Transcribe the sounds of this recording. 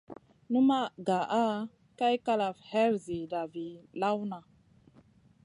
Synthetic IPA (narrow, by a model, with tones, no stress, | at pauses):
nu˦ma˦ɡa˨ʔa˦ | ka˦jka˦la˨vhɛ˦ɾzi˨da˨vi˨la˦wna˨